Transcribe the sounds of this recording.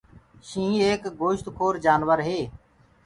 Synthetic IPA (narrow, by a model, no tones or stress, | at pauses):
ʃĩːeːkɡoːʃt̪kʰoːɾd͡ʒaːnʋəɾɦeː